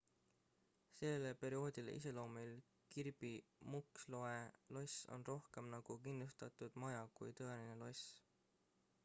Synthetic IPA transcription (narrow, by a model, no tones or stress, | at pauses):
se̞lːelepe̞ɾio̞ːd̪̥ʲileʔḭse̞lo̞ːmil | kirb̥imukslo̞e̞lo̞so̰nro̞hke̞mnɑɡ̥ukinːust̪ɑt̪ud̪̥mɑjɑkujt̪ɤ̞e̞line̞lo̞s